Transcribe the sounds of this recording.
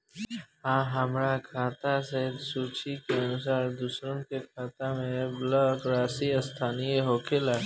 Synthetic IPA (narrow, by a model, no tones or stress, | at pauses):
ɦãːɦəmɾakʰaːt̪aseɦd̪suːt͡ʃikeɐnʊs̬aːɾd̪ʊsɾənkekʰaːt̪amẽblɔɡɾaːsiəst̪ʰaːnijeɦoːkʰelaː